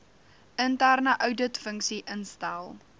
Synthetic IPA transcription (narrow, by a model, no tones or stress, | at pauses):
əntærnəʔœwdətfəŋksiʔənstælˠ